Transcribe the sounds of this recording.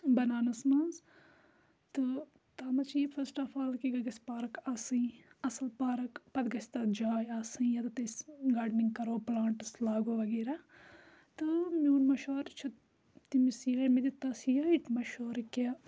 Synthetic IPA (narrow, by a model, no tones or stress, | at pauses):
bɐnaːnɐsmaːnz | t̪ɨ | t̪aːmɐt͡ʃifʰɐsʈɐfaːlkiɡɐɡɐspaːɾɐkasɨ̃ɐsɐlpaːɾɐkpɐd̪ɡɐsʲt̪ɐd͡ʒaːjaːsɨ̃jɐt̪ɐt̪ɐsɡaːɖniŋɡkɐɾoːplaːɳʈɐslaːɡoːʋɐɡeːɾa | t̪ɨmjoːnmɐʃoːɾt͡ʃʰɐ | t̪imisiɐmid̪it̪ɐsijɐiʈmɐʃoːɾkɐ